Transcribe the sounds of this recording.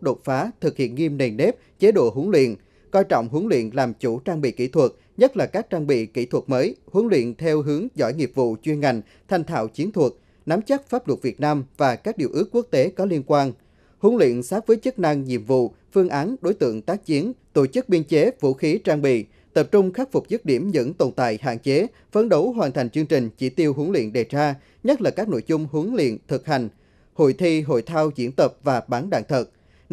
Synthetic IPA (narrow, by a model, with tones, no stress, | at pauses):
ɗo˨˩t̚faː˨˦t̪ʰɨ˨˩k̚hḭ˧˨ənŋi˧mne˨˩nːe˦˥p̚t͡ɕe˨˦ɗo̰˧˨ɦu˨˦əŋlwḭ˧˨ən | kɔ˧jt͡ɕɔ̰˧˨wŋ͡mɦu˨˦əŋlwḭ˧˨ənlaː˨˩mt͡ɕu˧˩t͡ɕaː˧ŋɓḭ˧˨kḭ˧˩t̪ʰwə˨˩t̚ | ɲə˦˥t̚laː˨˩kaː˦˥k̚t͡ɕaː˧ŋɓḭ˧˨kḭ˧˩t̪ʰwə˨˩t̚məː˨˦jhu˨˦əŋlwḭ˧˨ənt̪ʰɛ˧wɦɨ˨˦əŋzɔ̰˧˩jŋi˨˩əp̚vṵ˧˨t͡ɕwi˧ənŋa˨˩jŋ̟ | t̪ʰjŋ̟t̪ʰa̰ː˧˨wt͡ɕi˨˦ənt̪ʰwə˨˩t̚ | na˨˦mt͡ɕə˦˥t̚faː˦˥p̚lwə˨˩t̚vi˨˩ət̚naː˧mvaː˨˩kaː˦˥k̚ɗi˨˩əwʔɨ˦˥əkːu˦˥ək̚t̪e˨˦kɔ˨˦li˧ənkwaː˧n | hu˨˦ŋlwḭ˧˨ənsaː˦˥t̚vəː˨˦jt͡ɕə˦˥k̚na˧ŋɲḭ˧˨əmvṵ˧˨ | fɨ˧əŋʔaː˨˦nɗo˨˦jt̪ɨ̰˧˨əŋt̪aː˦˥k̚t͡ɕi˨˦ənt̪o˧˩t͡ɕɨ˦˥k̚ɓi˧ənt͡ɕe˨˦vṵ˧xi˨˦t͡ɕaː˧ŋɓḭ˧˨ | t̪ə˨˩p̚t͡ɕʊ˧ŋ͡mxa˦˥k̚fʊ˨˩k͡p̚zɨ˦˥t̚ɗi˧˩əmzɨ̰˧˥ŋt̪o˨˩nt̪a̰ː˧˨jɦa̰ː˧˨nt͡ɕe˨˦ | fə˨˧nɗo˨˦wɦwaː˨˩nt̪ʰa˨˩ŋ̟t͡ɕɨ˧əŋt͡ɕï˨˩ŋ̟t͡ɕi˧˩t̪i˧əwɦu˨˦əŋlwḭ˧˨ənɗe˨˩t͡ɕaː˧ | ɲə˦˥t̚laː˨˩kaː˦˥k̚no̰˧˨jzʊ˧ŋ͡mɦɨ˨˦əŋlḭ˧˨ənt̪ʰɨ˨˩k̚ha˨˩jŋ̟ | ho̰˧˨jt̪ʰi˧ɦo̰˧˨jt̪ʰaː˧wt͡ɕḭ˧˩ənt̪ə˨˩p̚vaː˨˩ɓaː˨˦nɗa̰ː˧˨ŋt̪ʰə˨˩t̚